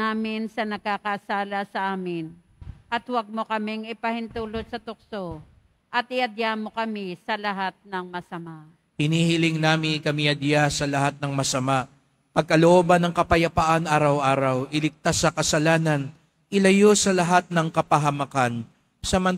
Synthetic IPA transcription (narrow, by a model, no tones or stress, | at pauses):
aːmɪnsɐnɐɡ̚akɐʔsaːlɐsɐʔaːmɪn | ʔɐt̪wɐɡ̚mokɐmɪŋɪpɐhɪnt̪uːlod̪̚sɐt̪ʊk̚so | ʔɐt̪̚ʔɪʔɐd̪jamo̞kɐmɪsɐlɐɦat̪̚nɐŋmɐsɐmaʔ | hɪniːhɪlɪŋnaːmɪkɐmɪʔɐd̪jasɐlɐhat̪̚nɐŋmɐsɐmaʔ | pɐɡ̚kɐloʔoːbɐnɐŋkɐpɐjɐpaʔanʔaːɾɐwʔaːɾɐwʔɪlɪk̚t̪asːɐkɐsɐlaːnɐn | ʔɪlɐjosɐlɐɦat̪̚nɐŋkɐpɐɦɐmɐkan | sɐmɐn